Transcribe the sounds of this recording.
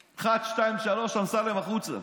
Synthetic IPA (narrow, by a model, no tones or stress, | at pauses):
χat̪ʃtajimʃaloʃamsalemaχut͡sa̰